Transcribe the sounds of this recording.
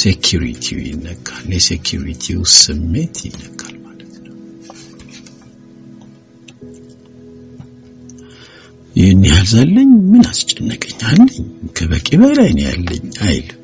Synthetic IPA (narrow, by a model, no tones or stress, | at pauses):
sekʰjuɾḭt̪ʰḭwjɪ̰nːəkʼːaljɛsekʰjuɾḭt̪ʰiwsɨmːe̞t̪ʰjɪnːəkʼːalmalət̪nəw | jnːijalzalːəɲmɨnast͡ʃʼːɛnːəkʼəɲːalːəɲkʰəβəkʼeβəlajnja̰lːə̰ɲːajl